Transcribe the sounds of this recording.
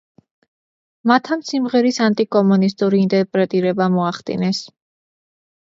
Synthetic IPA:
mat̪ʰamsimʁɛɾisant̪ʼikʼɔmunist̪ʼuɾiːnt̪ʼɛɾpʼɾɛt̪ʼiɾɛbamɔaχd̪ḭnɛs

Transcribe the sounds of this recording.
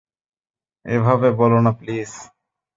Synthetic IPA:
ebʱabebɔlonapliːs

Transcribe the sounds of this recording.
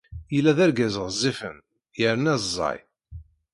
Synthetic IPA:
jəlːæðæɾɡæzəʁzˤːifən | jəɾənæzzˤːɑ̰j

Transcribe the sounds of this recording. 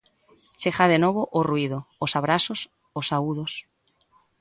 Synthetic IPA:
t͡ʃexaðenoβoʔorwið̞oosaβɾasos | osauðos

